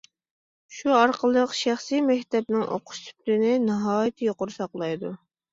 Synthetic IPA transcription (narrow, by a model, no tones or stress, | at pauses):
ʃuɑɾqʰəlˠəqʃæχsimɛkʲt̪ɛp̚nɪŋʔo̰qʰʊ̥ʃt̪ʰy̥plɪnɪnɨɦɑːjit̪ʰɨjoqʊɾsɑqlˠɑjd̪u